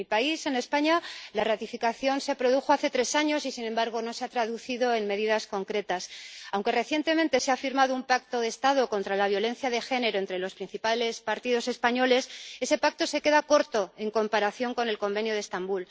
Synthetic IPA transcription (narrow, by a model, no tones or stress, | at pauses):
ipaise̞ne̞spaɲalarat̪ifikaθjo̞nse̞pɾo̞ð̞uxo̞aθe̞t̪ɾe̞saɲo̞sisinẽ̞mbaɾɣ̞o̞no̞se̞at̪ɾaðuθiðo̞e̞nme̞ðiðasko̞ŋkɾe̞t̪asawŋke̞re̞θje̞nt̪e̞ment̪e̞seafiɾmaðo̞umpak̚t̪o̞ðe̞ːst̪aðo̞ko̞nt̪ɾalaβjo̞lẽ̞nθjaðe̞xe̞ne̞ɾo̞e̞nt̪ɾe̞lo̞spɾin̟θipale̞spaɾt̪iðo̞se̞spaɲo̞le̞se̞se̞pak̚t̪o̞se̞ke̞ðako̞ɾt̪o̞e̞ŋko̞mpaɾaθjo̞ŋko̞ne̞lko̞mbe̞njo̞ð̞est̪ambul